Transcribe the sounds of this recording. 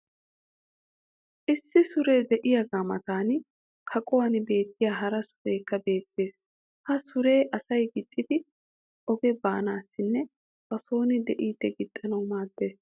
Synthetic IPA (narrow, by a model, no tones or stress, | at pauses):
ʔɪsːɪsʊɾe̞ːd̪ɛʔɪjɐɡaːmɐ̰t̪aːn | kʰɐkʼɔwɐnbe̞ːt̪ʰːɪjaːɦɐɾɐsʊ̥ɾe̞ːkːɐbe̞ːt̪ːe̞ːs | hɐsʊɾe̞ːʔɐsɐjɡɪt̪ʼːɪd̪ɪ | ʔɔɡɛbaːnaːsːɪnːɛ | b̥ɐsoːnɪd̪ɛʔiːd̪̥ːɛɡɪt̪ʼːɐnɐwmaːd̪ːe̞ːs